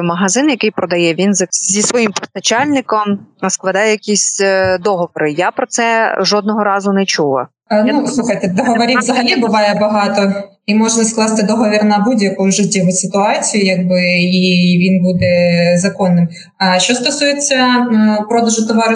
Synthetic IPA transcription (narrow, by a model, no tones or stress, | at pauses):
mɐɦɐzɪnjɐkɪjpɾɔd̪ɐjɛʋʲinzɐzʲisʋɔjimpɔst̪ɐt͡ʃɑlʲnɪkɔmsklˠɐd̪ɑjɛjɐkʲisʲd̪ɔɦɔʋɔɾɪjapɾɔt̪sɛʒɔd̪̚nɔɦɔɾɑzʊnɛt͡ʃuʋɐ̰ | nusˠuxɐjt̪ɛd̪ɔɦɔʋɐɾʲivzɐɦɐlʲibʊʋɑjɛbɐɦɑt̪ɔ | imɔʒnɐsklˠɑst̪ɪd̪ɔɦɔʋʲirnɐbudʲjɐkujʊʒɪtʲːiʋʊsɪt̪ʊɑt͡sʲijʊjɐɡ̚bɪiʋʲinbud̪ɛzɐkɔnːɪm | ʃt͡ʃːɔst̪ɔsujet͡sʲːɐpɾɔd̪ɐʒʊt̪ɔʋɑɾ